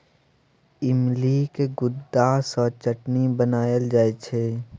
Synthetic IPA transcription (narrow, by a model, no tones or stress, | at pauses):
ɪmliːkeɡʊd̪ːaːsɔːɾt͡ʃəʈnibənaːjəld͡ʒaːet͡ʃʰeː